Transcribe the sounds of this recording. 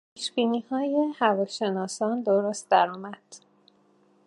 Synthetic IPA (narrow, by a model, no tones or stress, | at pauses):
pʰiːʃb̥iːniːhɒːjehævɒːʃe̞nɒːsɒːnd̪oɾost̪̚d̪æɾɒːmæd̪̥